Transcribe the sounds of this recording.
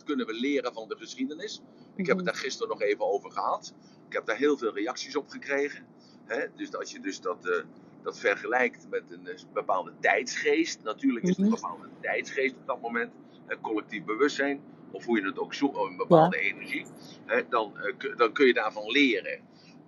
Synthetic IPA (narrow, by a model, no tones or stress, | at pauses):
tkɵnənʋəlɪːɾəvɑndəχəsχidənɪs | ʔɪkɦɛpətdaːɹχɪstərnɔχeːvənowvərχəɦɑt | ɪkhɛp̚daːɹɦɪːlˠvɪːlˠrejɑksisɔpχəkreːɣə | ɦɛdøsɑlˠsjədøsdɔt | d̥ɑtfɛrχəlɛjktmɛtənbəpaːlˠdətɛjtsχeːstnatyːrləkɪsəbəpaːlˠdətɛjtsχeːstɔb̚dɑt̚momɛnt | hɛkɔlɛk̚tifbəʋøstsɛjn | ɔfɦujənətowksuənbəpaːlˠdəenɛɹʒiɦɛdɑndɑnkɵnjədaːɹvɑnlɪːrə̰